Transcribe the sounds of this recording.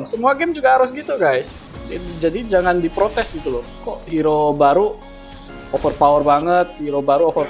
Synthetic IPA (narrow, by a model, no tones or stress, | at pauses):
ŋsəmuaɡɛmd͡ʒuɡahaɾʊs̬ɡit̪uɡajs | d͡ʒadid͡ʒaŋandipɾot̪ɛsɡit̪ulʊ | kɔʔhiɾobaɾu | ofərpawərbaŋət̪̚hiɾobaɾuofər